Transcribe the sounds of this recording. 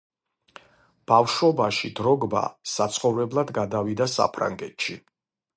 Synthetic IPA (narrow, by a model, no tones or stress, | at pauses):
b̥afʃɔbaʃid̪ɾɔɡba̰sat̪sʰχɔvɾɛblˠad̪ɡad̪avid̪asa̰pʰɾa̰ŋɡɛt̪ʃi